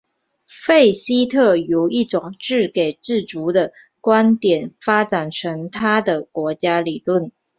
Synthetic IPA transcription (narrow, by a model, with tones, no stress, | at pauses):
fe˥˩ɪɕi˥t̪ʰɤ˥˩jo˧˩ʊi˥˩ʈ͡ʂʊ˨˩ŋʈ͡ʂɻ̩˥˩ke˨˩ɪʈ͡ʂɻ̩˥˩t͡su˧˥d̪ə˧ | kwa˥nt̪jɛ˨˩nfa˥ʈ͡ʂa˨˩nʈ͡ʂʰɤ˧˥ŋt̪ʰa˥d̪ə˨kwɔ˧˥t͡ɕja˥li˨˩lwə˥˩n